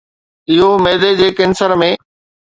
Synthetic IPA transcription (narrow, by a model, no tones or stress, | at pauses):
ɪɦomeːd̪ed͡ʑeːkɪnsəɾmẽː